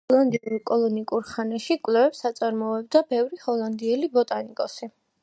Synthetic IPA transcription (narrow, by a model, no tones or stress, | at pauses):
ɔlˠand̪iɛlikʼɔlˠɔnikʼuɾχanɛʃikʼwlɛvɛpsat̪sʼaɾmɔɛb̚d̪abɛvɾihɔlˠand̪iɛlibɔt̪ʼanikʼɔsi